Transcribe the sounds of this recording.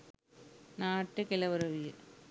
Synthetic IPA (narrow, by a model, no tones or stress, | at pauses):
naːʈːɐkɛlɐʋɐɾɐʋɪjɐ